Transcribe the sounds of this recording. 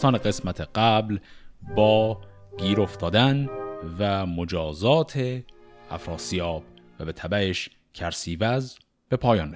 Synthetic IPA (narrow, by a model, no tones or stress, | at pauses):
t̪ɒːneɢe̞smæt̪ʰeɢ̥æblbɒːɡiːɾo̞ft̪ʰɒːd̪ænvæmo̞d͡ʒɒːzɒːt̪ʰe | æfɾɒːsijɒːb̥ | væbe̞t̪ʰæbæeʃ | cʲʰæɾsiːvæz | b̥e̞pʰɒːjɒːn